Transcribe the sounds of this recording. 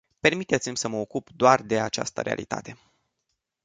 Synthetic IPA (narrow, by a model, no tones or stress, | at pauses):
pe̞rmit̪e̞t̪simʲsəməokupd̪oard̪e̞at͡ʃa̰st̪ə̰ɾea̰lit̪a̰t̪e̞